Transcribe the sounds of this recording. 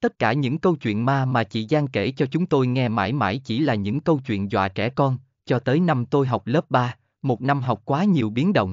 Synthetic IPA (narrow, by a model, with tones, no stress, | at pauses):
t̪ə˦˥t̚kaː˧˩ɲɨ̰˧˥ŋkə˧wt͡ɕwḭ˧˨ənmaː˧maː˨˩t͡ɕḭ˧˩zaː˧ŋke˧˩t͡ɕɔ˧t͡ɕʊ˨˦ŋ͡mt̪o˧jŋɛ˧ma̰ː˧˩jma̰ː˧˩jt͡ɕi˧˩laː˨˩ɲɨ̰˧˥ŋkə˧wt͡ɕwḭ˧˨ənzwa̰ː˧˨t͡ɕɛ˧˩kɔ˧n | t͡ɕɔ˧t̪əː˨˦jna˧mt̪o˧jɦa˨˩wk͡p̚ləː˦˥p̚ɓaː˧ | mo˨˩t̚na˧mɦa˨˩wk͡p̚kwaː˨˦ɲi˨˩əwɓi˨˦ənɗə̰˧˨wŋ͡m